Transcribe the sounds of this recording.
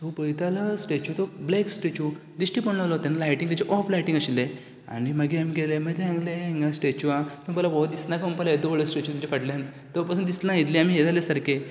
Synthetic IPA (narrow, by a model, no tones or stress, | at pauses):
t̪opəit̪alasʈet͡ɕut̪obleksʈet͡ɕud̪iʂʈipəɳlaʋlɔt̪anːalajʈĩŋt̪jat͡ɕeʔɔflajʈĩŋɡəɕilːe | a̰ñiməɡiamiɡelemət̪eãŋɡleŋɡasʈet͡ɕuat̪ompəlabɔd̪isnakmpalaed̪oʋəɭəsʈet͡ɕut̪umt͡ɕefaʈlen | t̪əpasuːnd̪islãit̪liam̤iɦet̪alesaɾke